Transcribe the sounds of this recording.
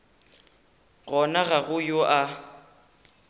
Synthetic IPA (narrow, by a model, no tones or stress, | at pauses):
ɣɔnaɣaɣʊjoʔa